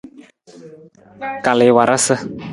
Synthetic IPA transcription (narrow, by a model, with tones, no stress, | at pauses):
ka˨lɪ˨˦wa˨ɾa˦sə˦